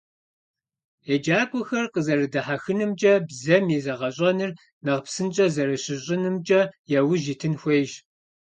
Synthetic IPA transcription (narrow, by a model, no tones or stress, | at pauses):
ed͡ʒaːkʷʼʊxɐrqəzɐrɨdɐħaxɨnɨmt͡ʃʼɐbzɐmizɐʁɐɕʼɐnɨr | nɐʁpsɨnt͡ʃʼɐzɐrɨɕɪɕʼɪnɨmt͡ʃʼɐjɛwʊʒitʰɨnxʷejʒ